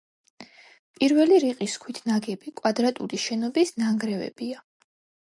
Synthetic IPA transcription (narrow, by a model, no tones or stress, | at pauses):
pʼiɾvɛliɾiqʼiskʰwit̪ʰnaɡɛbikʼwad̪ɾat̪ʼuliʃɛnɔbisnaŋɡɾɛvɛ̰b̥ia